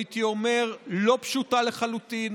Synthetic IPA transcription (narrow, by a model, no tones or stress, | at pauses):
it̪io̞me̞ʁlo̞pʃutale̞χalut̪in